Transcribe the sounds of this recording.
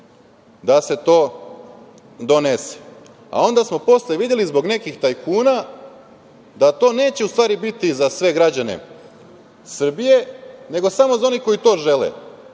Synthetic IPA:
d̪ase̞t̪o̞ː | d̪o̞ne̞se̥ | a̰o̞nd̪asmo̞po̞sleʋid̪jelizbo̞ɡne̞kixt̪ajkʰuːna | d̪at̪o̞ːne̞ːt͡ɕe̞ust̪ʋaːɾibit̪izasʋe̞ɡɾad͡ʑane̞̰ | sr̩bije̞ne̞ɡo̞samo̞zao̞niko̞jit̪o̞ːʒe̞lḛ

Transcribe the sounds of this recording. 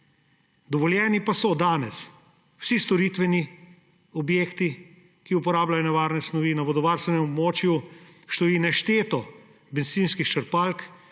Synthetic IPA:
d̪ɔʋɔljɛːnipasɔd̪aːnɛs | w̥sist̪ɔɾit̪ʋɛni | ɔbjeːkt̪i | kiupɔɾaːblajɔnɛʋaːɾnɛsnɔʋinaʋɔd̪ɔʋaːɾst̪ʋɛnɛmɔbmoːt͡ʃjuʃt̪ɔjiːnɛʃt̪eːt̪ɔ | bɛnziːnskixt͡ʃəɾpalk

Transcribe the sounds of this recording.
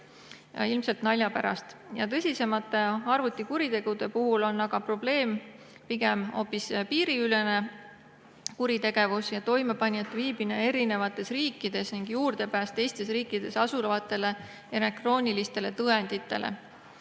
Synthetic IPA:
ilmse̞lt̪nɑlʲjɑpæɾɑ̰st̪jɑ̰t̪ɤsʲise̞mɑt̪ːˑe̞ɑrvut̪ˑːikuɾit̪e̞ɡ̥ud̪̥e̞puɦulo̞nːɑɡ̥ɑpro̞ble̞ːm | piɡ̥e̞mo̞ːpːˑispiːɾiyle̞ne̞ | kuɾit̪e̞ɡ̥e̞vusjɑt̪o̞jmepɑnʲːet̪ːviːb̥inee̞ɾine̞vɑt̪ːˑe̞sriːkːˑid̪̥e̞sniŋɡ̥juːrd̪̥e̞pæːst̪e̞jst̪e̞sriːkːˑid̪̥e̞sɑsulɑvɑt̪ˑːe̞le̞ | e̞ɾek̚t̪ro̞ːnilist̪e̞le̞t̪ɤe̞nd̪̥it̪ːˑe̞lḛ

